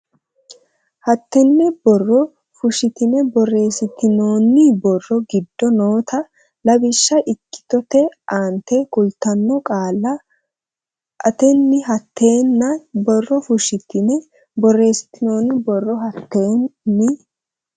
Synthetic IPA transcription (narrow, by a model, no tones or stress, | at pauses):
hɐt̪ːɛnːɛbɔrːɔ | fʊʃɪt̪ɪnɛbɔre̞ːsɪt̪ɪno̞ːnːɪbɔrːɔɡɪd̪ːɔnoːt̪ʰɐ | lɐbɪʃːɐʔɪkːɪ̥t̪ɔt̪ɛʔaːnt̪ɛkʊlt̪ɐnːɔkʼaːlːɐ | ʔɐt̪ɛnːɪɦɐt̪ːe̞ːnːɐbɔrːɔfʊʃɪt̪ɪnɛ | bɔrːe̞ːsɪ̥t̪ːɪnoːnːɪbɔrːɔɦɐt̪ːe̞ːnːɪ